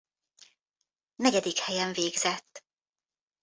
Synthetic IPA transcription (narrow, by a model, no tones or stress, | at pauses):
nɛɟɛd̪ikhɛjɛɱveːɡzɛt̪ː